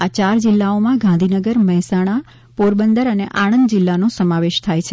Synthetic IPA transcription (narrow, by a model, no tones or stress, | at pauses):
at͡ʃaɾd͡ʒɪlːaomãɡãnd̪ʱinəɡəɾməɦɛsaɽ̃a | poɾbənd̪əɾəneʔaɽ̃ənd̪d͡ʒɪlːanosəmaʋeʃt̪ʰajt͡ʃʰe